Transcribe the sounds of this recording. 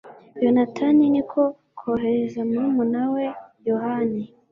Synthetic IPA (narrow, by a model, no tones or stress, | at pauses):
jonatʰaninikʰo | kʰoɦe̞ɾezamuumunawe̞johani